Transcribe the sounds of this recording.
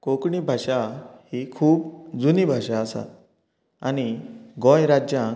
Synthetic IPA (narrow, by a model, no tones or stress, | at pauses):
kokɳiːbʱaɕahikʰuːpd͡zuniːbʱaɕaəsa̰ | aniɡɔ̃jɾad͡ʑjã